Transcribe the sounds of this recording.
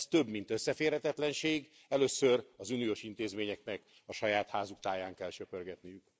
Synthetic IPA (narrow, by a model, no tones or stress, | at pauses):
st̪ø̞bmint̪øsːɛfeːrhɛt̪ɛt̪lɛnʃeːɡ | ɛløːsørɒzynijoʃin̪t̪eːzmeːɲɛknɛk | ɒʃɒjaːt̪haːzukt̪aːjaːŋkɛlt͡ʃøpørɡɛt̪nijyk